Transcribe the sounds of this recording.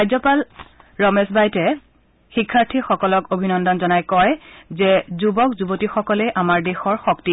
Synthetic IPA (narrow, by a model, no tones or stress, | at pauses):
ajzɔpalɹɔmesbajtɛ | xikʰːaɹtʰixɔkɔlɔkobʱinɔndɔnzɔnajkɔjzɛzubɔkzubotixɔkɔlɛʔamaɹdexɔɹxɔkti